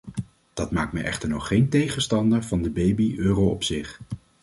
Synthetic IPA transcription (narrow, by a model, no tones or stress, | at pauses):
d̥ɑtmaːk̚tmɛ̰jʔɛ̰χtəɹnɔχːejntejχənstɑndəɹvɑndəbejbiʔøːrowɔpsɪχ